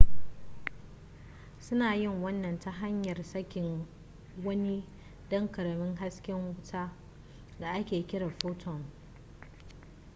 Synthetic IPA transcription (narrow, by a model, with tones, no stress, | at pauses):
sʊ˦naː˨jɪ˦˨ŋwɐ˦nːɐ˨nta˦ɦa˦ɲjɐ˨rsɐ˦kʲɪ˨ŋ | wɐ˦ni˦ | dɐ˦ŋkɐ˨ɽɐ˨mɪ˦ŋɦa˦skʲɪ˦ŋwʊ˦tʰaː˦ | da˨ʔa˦kʲeː˨kʲɪ˦ɽaː˨ɸoː˦tʰɔ˨ŋ